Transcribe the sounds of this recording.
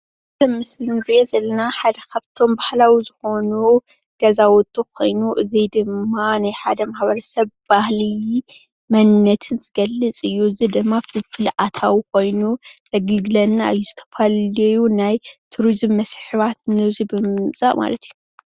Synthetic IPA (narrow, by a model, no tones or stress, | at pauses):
ɨzɐmɨslɨnbezɐlːɐnaħad̪ɐkʰɐbt̪ʰo̞mbahlawizɨxo̞nu | ɡ̥ɐzawɔd̪ʼukʰo̞̰jnuʔɨzijd̪ɨmːanajħad̪ɐmaħbɐɾɐsɐβb̥ahli | mɐnːɐt̪ʰɨnzɨɡɐlːɨt͡sʼɨjːuɨzid̪ɨmːafɨfɨlʔat̪ʰawikʰo̞jnuzɐɡɨlɡɨlɐnːaʔɨjːuzɨt̪ʰɐ̥fʰalejunajt̪ʰuɾizmːɐsħɨβat̪nɨzibɨmɨt͡sʼa̰ʔma̰lɐt̪ʰɨjːu